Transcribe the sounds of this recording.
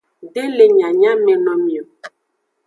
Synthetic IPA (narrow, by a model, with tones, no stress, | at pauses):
ɖe˦le˨ɲã˨ɲã˦mẽ˨nɔ̃˦mĩ˨o˨